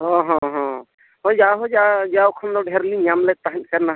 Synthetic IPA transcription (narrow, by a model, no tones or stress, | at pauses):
ɦɔ̃ɦɔ̃ɦɔ̃ | ɦɔjd͡ʒaɦɔd͡ʒad͡ʒaɔkʰənlɔɖʱɛɾliɲamlɛk̚t̪aɦnkəɾna